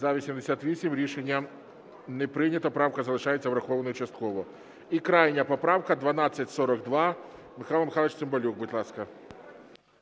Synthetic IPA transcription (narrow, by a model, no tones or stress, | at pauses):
zavʲɪsʲɪmʲdʲɪsʲat̪vʲisʲɪmʲɾʲɪʂɛnʲɪjə | nʲɪpɾʲɪnʲɪt̪əpɾafkəzəlˠɪʂajɪt̪səvɾɐxovənəjt͡ɕɪst̪̚kovə | ikɾajnʲɪjəpɐpɾafkəd̪vɐnat̪sɨtʲsoɾəɡd̪va | mɨxalˠmɪxalˠət͡ɕt̪ɨmbɐlʲukbɨt̪ʲlˠaskə